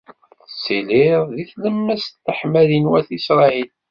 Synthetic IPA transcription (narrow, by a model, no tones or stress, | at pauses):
silɪðˤðiθləmːæst̪ːəħmæðinwæθisɾˤɑil